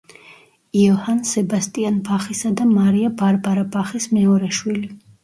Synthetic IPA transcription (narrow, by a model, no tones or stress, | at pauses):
iɔhansɛbast̪ʼianbaχisad̪amaɾiabaɾbaɾabaχismɛɔɾɛʃwili